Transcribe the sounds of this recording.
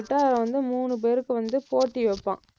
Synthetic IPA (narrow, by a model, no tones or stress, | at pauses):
ʈːaːɾɐ̃ʋɐnd̪ɯmuːnɯp̬eːɾɯkːɯʋɐnd̪ɯpoːʈːiʋɛpːã̰ː